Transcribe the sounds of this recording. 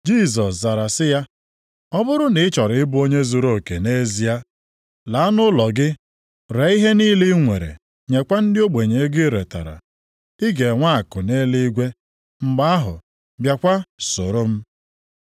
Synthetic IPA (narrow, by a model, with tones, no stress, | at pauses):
d͡ʒi˦˨s̬ɔ˨sza˨ɾa˨sɪ˦ja˦ | ɔ˦bʊ˦ɾʊ˦nɪ˨ɪ˦t͡ʃɔ˨ɾɪ˨ɪ˦bʊ˦o˦ɲe˦zu˨ɾo˦˨ke˨ne˦zi˨˦a˦ | la˨˦nʊ˦lɔ˨ɡɪ˦ | ɾe˨˦i˦ɦe˦niː˦li˦ŋʷe˨ɾḛ˨ | ɲe˨kʷa˦n̩˦dɪ˦o˦ɡ͡be˨ɲe˨˦ɡɪ˦ɾe˨ta̰˨ɾa̰˨ | i˦ɡe˨ŋʷa˦a˨kʊ˨ne˦li˦ɡʷe˦ | ŋ͡m̩˨ɡ͡ba˦a˦ɦʊ̰˨ | bja˨kʷa˦sʊ˨ɾʊ˦m̩˦